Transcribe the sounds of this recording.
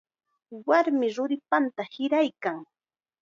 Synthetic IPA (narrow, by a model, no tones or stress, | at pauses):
waɾmɪɾʊɾɪpant̪ahɪɾajkaŋ